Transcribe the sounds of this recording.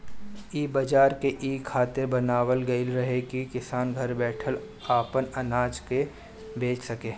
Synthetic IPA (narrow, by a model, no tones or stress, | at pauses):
iːbɐd͡ʒaːɾkeʔiːkʰaːt̪ebɐnaːʋəlɡɐɪlɾɐɦekikɪsaːnɡʱɐɾbɛːʈʰəl | aːpənɐnaːd͡ʒke | beːt͡ʃʰsɐkeː